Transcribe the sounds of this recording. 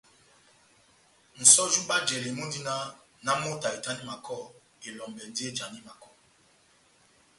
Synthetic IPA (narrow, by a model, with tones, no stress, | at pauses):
n̩˨sɔ˦d͡ʒu˦ɓa˦d͡ʒɛ˨li˨mo˦n˦di˦na˦ | na˦mo˦ta˨e˨ta˦ni˦ma˨kʰɔ˦˨ | e˨lɔ˨mbɛ˨n˦di˦e˦d͡ʒa˨ni˦ma˨kɔ˦˨